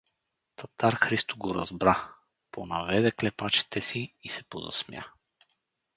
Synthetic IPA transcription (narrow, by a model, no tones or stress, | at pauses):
t̪ʰɐt̪aɾxɾist̪oɡoɾɐ̰zbɾa | ponɐvɛd̪ɛklɛpat͡ʃɛ̥t̪ɛsiːsɛpo̰zɐ̰smʲja̰